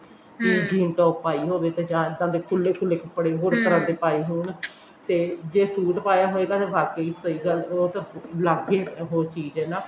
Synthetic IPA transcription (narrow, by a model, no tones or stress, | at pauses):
kiːd͡ʒiːnt̪ɔːpaːiːɦoːʋeːt̪eːd͡ʒãːɪd̪ãːd̪eːkʰʊlːeːkʰʊlːeːkʰəpːɽeːɦoːɾk̪əɾãːd̪eːpaːiːɦuːɳ | t̪eːd͡ʒeːsuːʈpaːjaːɦoːeːɡaːt̪eːbaːkeiːsəiːɡəloːt̪alaːɡeːɦoːɾt͡ʃiːd͡ʒɛːnãː